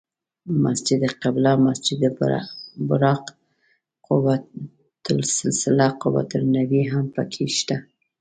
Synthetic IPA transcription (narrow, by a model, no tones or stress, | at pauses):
masd͡ʒɪd̪qablamasd͡ʒɪd̪ | bʊɾɑq | qʊwa | t̪ʊlsɪlsɪlaqʊwa̰t̪ʊlnawiɦampə̰kʰeʃt̪a